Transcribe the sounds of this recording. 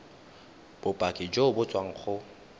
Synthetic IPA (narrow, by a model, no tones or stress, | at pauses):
b̥ʊpʼakʼɪd͡ʒoʊbʊt͡sʼwaŋ̩χʊ